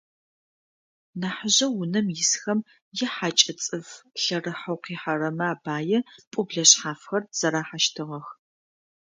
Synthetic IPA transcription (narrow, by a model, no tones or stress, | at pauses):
naːħəʑɐwʊnɐmjɪsxɐm | jɛħat͡ʃʼɐt͡sʼɨvɬɐrɨħɐwqiːħaɾɐmɐaːbaːjɛpʼʊbɮɐɕħaːfxɐrz̥ɐɾaːħaʃtʰɨʁɐx